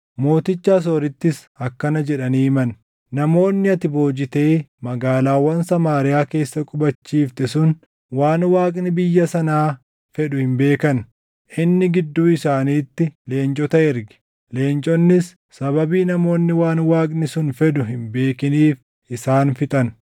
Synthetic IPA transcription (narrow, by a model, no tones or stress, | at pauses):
mo̞ːt̪ɪt͡ʃːaːs̬ɔɾɪt̪ːɪs | ɐkːɐnɐd͡ʒɛᶑɐniːmɐn | nɐmo̞ːnːɪɐt̪ɪbo̞ːd͡ʒɪt̪e̞ːmɐɡaːlaːwɐnsɐmaːɾɪjaːke̞ːsːɐkʼʊbɐt͡ʃːiːft̪ɛsʊn | waːnwaːkʼnɪbɪjːɐsɐnaː | fɛᶑʊhɪmbe̞ːkɐn | ʔɪnːɪɡɪd̪ːuːɪsaːniːt̪ːɪle̞ːnt͡ʃʼɔt̪ɐɛɾɡɛ̥ | le̞ːnt͡ʃʼɔnːɪsː | ɐbɐbiːnɐmo̞ːnːɪwaːnwaːkʼnɪsʊnfɛᶑʊɦɪmbe̞ːkɪniːf | ʔɪsaːnfɪt̪ʼɐn